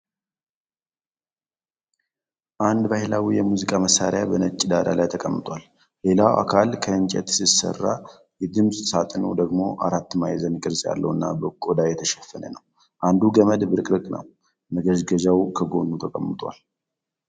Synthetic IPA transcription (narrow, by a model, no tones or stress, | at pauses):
ʔand̪bahɪlawijɛmuzikʼaməsaɾjabənət͡ʃʼːid̪ad̪a̰lajt̪ʰəkʼəmːɨt̪ʼwal | le̞lawʔa̰kʰalkʰəɨnt͡ʃʼɛt̪sisə̰rːa | jɛd̪ɨmsʼsat̪ʼɨnə̰d̪əɡmo̞ʔaɾat̪ːmajzənjɪkʼɨɾsʼja̰lːə̰wɨnːa̰bəkʼod̪ajɛt̪ʰəʃɛfːənə̰nəw | ʔand̪uɡəməd̪bɨɾɨkʼɾɨkʼnə̰w | məɡəʒɡəd͡ʒawkʰəɡo̞nut̪ʰəkʼəmːɨt̪ʼwa̰l